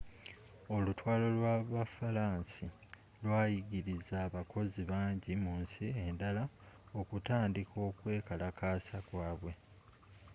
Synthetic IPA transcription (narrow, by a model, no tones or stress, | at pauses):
o̞lutwaːlo̞lwaβafalaːnsi | lwaːjiɡiɾizaːβako̞ziβaːɲɟimunsie̞ndala | o̞kutaːndikʰo̞ːkwe̞ːkalakaːsakwaːβwe̞